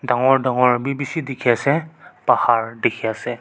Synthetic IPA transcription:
daŋɔɹdaŋɔɹbibisidikʰiasɛpahaɹdikʰiasɛ

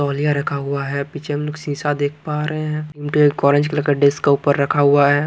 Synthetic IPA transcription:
ɔːlijaɾɐkʰaɦʊaɦɛpit͡ʃʰemeloːɡsĩːsad̪eːk̚ʰpaːɾəɦeɦɛ̃ɪmʈiekɔːɾə̃nd͡ʒkelɐkəɖɪskːauːpəɾːɐkʰaɦʊaɦɛː

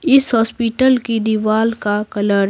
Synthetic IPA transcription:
ɪsɦɔːspiːʈəlkid̪iʋaːlkakɐləɾ

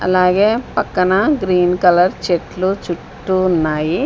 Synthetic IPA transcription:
ɐ̰laːɡeːpɐkːɐnɐɡɾiːnkɐlɐɾt͡ʃeʈlut͡ʃuʈːuːnːaːji

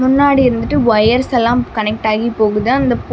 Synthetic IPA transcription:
mʊnːaːɽiɪɾɯnd̪ɯʈːɯʋɐjɐɾsɐlːãːmkɐnɛk̚ʈaːɣipoːɣɯðãɐnd̪ɐp

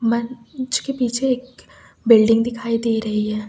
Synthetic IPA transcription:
mɐ̃nt͡ʃkepiːt͡ʃʰeːk | bɪlɖɪ̃ŋɡd̪ɪkʰaːid̪eːɾɐɦiɦɛː

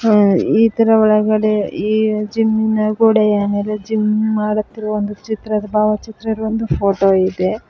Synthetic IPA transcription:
iːt̪ɐɾɐʋɔɭɐɡɐɽeiːd͡ʒimːinɐɡoːɽejaːmeːled͡ʒimːimaːɽɐt̪ːiɾɐʋond̪ut͡ʃit̪ɾɐd̪ɐbaːʋɐt͡ʃit̪ɾɐiɾuʋond̪upʰoːʈoːid̪e̞

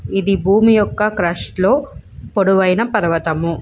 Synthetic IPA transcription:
id̪ibʱuːmijɔkːɐkɾɐʂʈloːpoɽuʋɐjinɐpɐɾʋɐt̪ɐmu

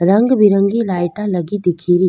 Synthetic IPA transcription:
ɾɐŋɡbɪɾəŋɡilaːɪʈãlɐɡid̪ɪkʰiːɾiː

